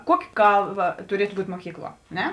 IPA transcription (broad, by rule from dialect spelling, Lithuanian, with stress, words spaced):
ˈkuɔkʲɪ ˈkɐlˠˌbɐ tʊˈrʲiɛtʊ ˈbuːtʲ muɔˈkʲiːkˌlˠuɔ ɐ ˈnʲɛ